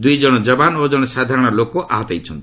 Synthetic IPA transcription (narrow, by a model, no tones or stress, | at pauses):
d̪ujd͡ʒɔɽ̃ɔd͡ʒɔbanod͡ʒɔɽɔsad̪ʱaɾɔɽ̃ɔlokoʔa̰ɦɔt̪ajt͡ʃʰɔnt̪